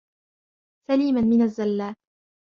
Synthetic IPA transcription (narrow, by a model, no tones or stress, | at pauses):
saliːmanmɪnazːalːaː